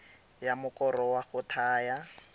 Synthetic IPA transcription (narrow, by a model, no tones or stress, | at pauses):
jamʊkɔrɔwaχʊtʰaːja